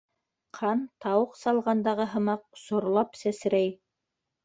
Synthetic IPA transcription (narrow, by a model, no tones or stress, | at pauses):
qʰɑnt̪ɑwɤqsɑlˠʁɑnd̪ɑʁɤɦɤ̆mɑq̚sŏɾlˠɑpsæsɘ̆ɾæj